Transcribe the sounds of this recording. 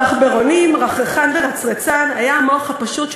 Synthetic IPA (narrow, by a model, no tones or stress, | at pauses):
aχbeʁonimʁaχeχanveʁat͡sʁet͡sanajamoχhapaʃut